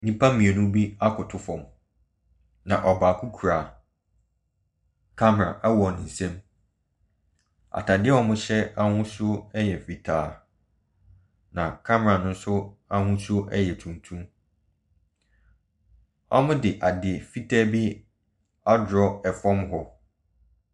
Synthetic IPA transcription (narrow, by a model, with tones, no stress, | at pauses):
nĩ˦pʰa˦mĩ˨ɛ˨nʊ̃˦bi˦a˦kʰʊ˨tʰʊ˦fɔ̃˨m | nã˨ʔɔ˨baː˨kʰu˦kʰu˨ɾa˨ | kʰa˦m˨ã̰˨ʔɛ˦wɔ˨nɪ̃˨n̩˨sɛ̃˦m | a̰˨tʰa˨dɪ˦ɛ˦ɔ˦mʊ̃˦ɕɛ˦a˦hʊ̃˦sʊ˦ɛ˦jɛ˨fi˨tʰaː˨ | nã˨kʰa˦m˨ã˨nʊ̃˦n̩˦sʊ˦a˦hũ˦so˦ʔɛ˦jɛ˨tʰũ˨ntʰũ˦m | ɔ̰˦mʊ̃˦dɪ˨ʔa˨dɪ˨fi˦tʰaː˦bi˦ | a˦dʊ˨ɾɔ˦ɛ˨fɔ̃˦mhɔ˦